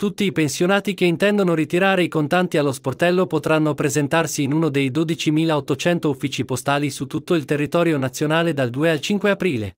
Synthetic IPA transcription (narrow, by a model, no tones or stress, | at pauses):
t̪ut̪ːiːpensjonaːt̪ikeint̪ɛnd̪onoɾit̪iɾaːɾeikont̪ant̪ialːosport̪ɛlːopot̪ɾanːopɾezent̪arsiːnuːnod̪ejd̪od̪it͡ʃimiːlaot̪ːot͡ʃɛnt̪oufːiːt͡ʃipost̪aːlisut̪ːut̪ːoilt̪erːit̪ɔːɾjonat̪sːjonaːled̪ald̪uːealt͡ʃiŋkweapɾiːlḛ